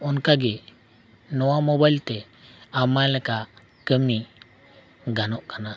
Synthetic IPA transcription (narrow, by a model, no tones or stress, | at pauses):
unkaɡi | nɔwamobajlt̪e | amajleka | kəmi | ɡanɔʔkana